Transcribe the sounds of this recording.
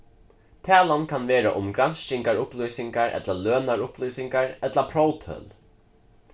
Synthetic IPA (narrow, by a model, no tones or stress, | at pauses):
t̪ʰɛːlankʰanʋeːɾa̰ʔʊmɡɾanst͡ʃɪŋkaɹʊplœjsɪŋkaɹʔɛ̰t̪laløːnaɹʊplɔjsɪŋkaɹɛt̪lapʰɾowt̪ʰœ̰ːl